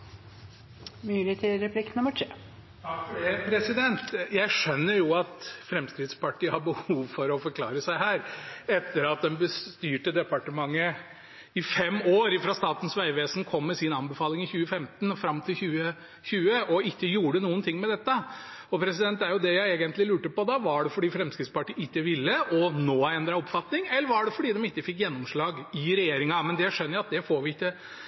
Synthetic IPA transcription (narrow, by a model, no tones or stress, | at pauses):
myːlɪt̪ʰɪɾɛpʰlɪk̪nʊmːəʈʰː | pʰɾɛsɪd̪ɛnt̪jæɪʂœnːəɾjʊɑt̪fɾɛmskɾɪd̪spɑʈʰiːəhɑɾbəhuːʋfɔɾɔfɔɾkʰlɑ̰ːɾəsæɪhæːɾɛt̪ːəɾɑt̪̚d̪ɛnbəst̪yːʈəd̪ɛpɑʈəmɑŋːə | ɪfɛmːoːɾɪfɾɑst̪ɑːt̪ən̩sʋæɪʋeːsn̩kʰɔmːɛsɪnɑnbəfɑːlɪŋɪçʉːəfɛmt̪nfɾɑmːt̪ʰɪlçʉːə | çʉːəʔɔɪkːəjuːəɖənuːənt̪ʰɪŋːmɛd̪ɛt̪ːəɔpʰɾɛsɪd̪ɛnt̪æɾjʊd̪ɛjæɪeːɡənt̪lɪlʉːʈəpɔd̪ɑʋɑɖɛfɔɖiːfɾɛmskɾɪt̪spɑʈiːɪkːəʋɪlːəʔɔnoːæɛnd̪ɾɑɔpfɑt̪nɪŋɛlːəɾʋɑɖɛfɔɖiːd̪ɛmɪkːəfɪkːjɛnːɔmʂɭɑːɡɪɾɛjeːɾɪŋɑmɛnd̪ɛjæɪʂœnːəɑt̪̚d̪ɛfoːɾʋɪɪkːə